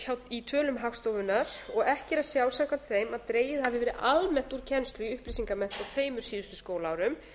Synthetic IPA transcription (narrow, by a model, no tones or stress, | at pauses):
çawt̪it̪ʰœːlʏmɦaxst̪oːwvʏnaɾ̥ɔɣɛhcɪɾasjawlsaŋkʰvant̪ʰɪ̥θejmaðt̪ɾeːjɪðhavɪvɛːɾɪðʔalmɛn̥t̪uɾ̥cʰɛnst̪lʏʏhpɾisiŋkamɛn̥t̪awt̪ʰveːjmʏɾ̥siːðʏst̪ʏ̥skoːwlaːwɾʏm